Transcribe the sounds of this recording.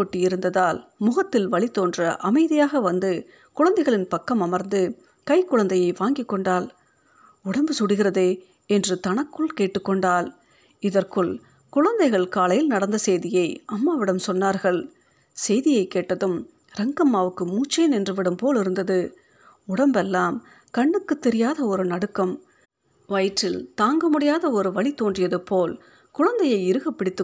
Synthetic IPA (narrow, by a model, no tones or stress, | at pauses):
oːʈːiɪɾɯnd̪ɐðaːlmʊɣɐt̪ːɪlʋɐɭɪt̪ːoːndrɐʔɐmɐɪðɪjaːɣɐʋɐnd̪ɯ | kʊɻɐnd̪ɐɪɣɐɭɪnpɐkːɐmɐmɐɾnd̪ɯ | kɐɪkːʊɻɐnd̪ɐjɐɪʋaːŋɡɪkːɔɳɖaːl | ʊɽɐmbɯsʊɽɪɣɪrɐðeː | ɛndrɯt̪ɐnɐkːɯɭkeːʈːɯkːɔɳɖaːl | ɪðɐrkɯɭ | kʊɻɐnd̪ɐɪɣɐɭkaːlɐjɪlnɐɽɐnd̪ɐsɛjðɪjɐɪʔɐmːaːʋɪɽɐmsɔnːaːɾɣɐɭ | sɛjðɪjɐɪkːeːʈːɐðɯm | ɾɛŋɡɐmːaːʋɯkːɯmuːt͡ʃːeːnɛndrɯʋɪɽɯmpoːlɪɾɯnd̪ɐðɯ | ʊɽɐmbɛlːaːm | kɐɳːɯkːɯt̪ːɛɾɪjaːðɐɔɾɯnɐɽɯkːɐm | ʋɐɪʈːɪlt̪aːŋɡɐmʊɽɪjaːðɐɔɾɯʋɐɭit̪oːndrɪjɐðɯpːoːl | kʊɻɐnd̪ɐjɐɪɪɾɯɣɐpːɪɽɪt̪ːɯ